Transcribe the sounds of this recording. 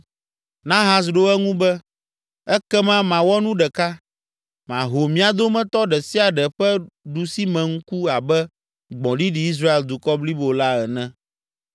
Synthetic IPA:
nã˦ɦã˦s̬ɖo˦ɛ˦ŋũ˦bɛ˦ | ɛ˦kɛ˦mã˦mã˨wɔ˦nũ˦ɖɛ˨ka˦ | mã˨ɦo˨mĩ˨a˨d̪o˦mɛ̃˦t̪ɔ˦ɖɛ˨si˦a˨ɖɛ˨ɸɛ˦ɖu˨si˦mɛ̃˨ŋ̩˦ku˦a˨bɛ˦ | ɡ͡bɔ̃˨ɖi˦ɖi˨i˦s̬ɾa˦e˨ld̪u˨kɔ˦bli˦bo˨la˦ɛ˨nɛ̃˦

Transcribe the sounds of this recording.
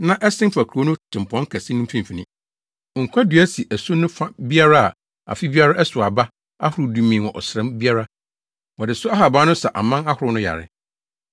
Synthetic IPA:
nã˦ʔɛ˦sɪ̃˦m˦fa˨kʰu˨ɾo˦nʊ̃˦tʰɪ̃˨m˨pʰɔ̃˦ŋ˦kʰæ˨sɪ˦nʊ̃˦m˦fĩ˦m˨fi˨nɪ̃˦ | ŋ̩˨kʷʰa˦dɥæ˦si˨ʔæ˨so˦nʊ̃˦fa˦bi˦a˦ɾa˦a̰˨ | a̰˨fi˦bi˦a˦ɾa˦ʔɛ˦sʊ˨a˨ba˦ | a̰˦hʊ˨ɾʊ˨du˨mĩ˨wɔ̃˨ʔɔ̰˨sɾɛ̃˦mbi˦a˦ɾa˦ | wɔ˨dɪ˨sʊ˦a˦ɦa˨baː˦nʊ̃˦sɛ˨ʔa˨mã˦na˦hʊ˨ɾʊ˦nʊ̃˦ja̰˨ɾɪ̰˦

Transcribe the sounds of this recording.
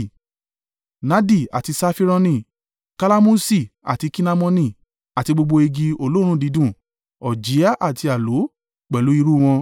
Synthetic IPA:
na˦di˦˨a̰˨ti˧sa˧fi˦ɾɔ˧nĩ˧˨ | ka˧la˦mu˦si˦˨a̰˨ti˧ki˦na˧mɔ̃˧nĩ˦˨ | a˨ti˧ɡ͡bo˧ɡ͡bo˧e˧ɡi˧o˧lõ˦ũ˦˨di˨˦dũ˦˨ | ɔ˨d͡ʒi˨˦a˦ʔa˦˨ti˧a˨lo˨˦ | k͡pɛ˨lu˨˦i˧ɾu˦˨w̃ɔ̃˧

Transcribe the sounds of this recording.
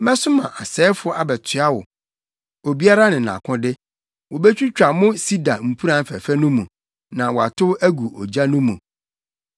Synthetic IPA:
mɛ̃˦sʊ˦mã˨ʔa˨sɛː˨˦fʊ˦a˨bɛ˨tʰɪ˨a˦wʊ̰˨ | o˨bi˦a˦ɾa˦nɪ̃˨nã̰˨kʰʊ̃˦dɪ˦ | wɔ˨bɛ˦t͡ɕᶣi˦t͡ɕᶣa˨mʊ̃˦si˦da˨m̩˨pʰu˦ɾã˨˦fæ̰˨fæ˦nũ˦mũ˨ | nã˨wɔ˨a̰˨tʰʊ˦æ˦ɡu˨ʔɔ˨d͡ʑa˦nʊ̃˦mũ˨

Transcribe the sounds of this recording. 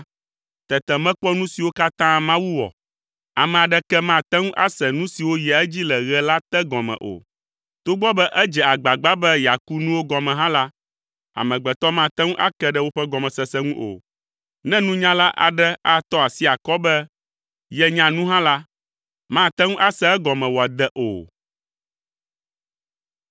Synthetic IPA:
t̪ɛ˨t̪ɛ˨mɛ̃˦k͡pɔ˦nũ˦si˨wo˦ka˦t̪ã˦mã˦wu˦wɔ̰˨ | a˨mɛ̃˨a˨ɖɛ˦kɛ˦mã˦˨t̪ɛ˦ŋũ˦ʔa˦sɛ˨nũ˦si˨wo˦jɛ˨ɛ˦d͡ʑi˦lɛ˨ɣɛ˦la˦t̪ɛ˦ɡɔ̃˨mɛ̰̃˨ʔo̰˨ | t̪o˦ɡ͡bɔ˦bɛ˦ʔɛ˦d͡ʒɛ˨a˨ɡ͡ba˨ɡ͡ba˦bɛ˦ja˨ku˦nũ˦wo˦ɡɔ̃˨mɛ̃˨ɦã˦la˦ | a̰˨mɛ̃˨ɡ͡bɛ˨t̪ɔ˦mã˦t̪ɛ˦ŋũ˦ʔa˦kɛ˦ɖɛ˦wo˦ɸɛ˦ɡɔ˨mɛ̃˨sɛ˨sɛ˦ŋũ˦ʔo̰˨ | nɛ̃˦nũ˦ɲã˦la˦ʔa̰˨ɖɛ˦a˦t̪ɔ˦a˨si˦a˨kɔ˦bɛ˦ | jɛ˨ɲã˨nũ˦ɦã˦la˦ | mã˦˨t̪ɛ˦ŋũ˦ʔa˦sɛ˦ɛ˦ɡɔ˨mɛ̃˨wɔ˨a˨d̪ɛ˦ʔo̰˨

